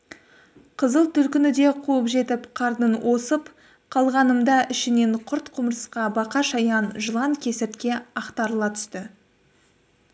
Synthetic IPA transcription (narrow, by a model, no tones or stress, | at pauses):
qʰəzəlˠt̪ʰʏlkʲɪnɪd̪e̞qʰuəpʒe̞t̪ɪpqʰɑɾd̪ənwʔo̞səp | qʰɑlˠʁɑnəmd̪ɑʔɪʃɪne̞ɴqʰʊɾt̪qʰʊmɾəsqɑbɑqɑʃɑjɑnʒəlˠɑŋkʲʰe̞sɪɾt̪kʲe̞ɑqt̪ɑɾəlˠɑt̪ʰʏ̥st̪ɪ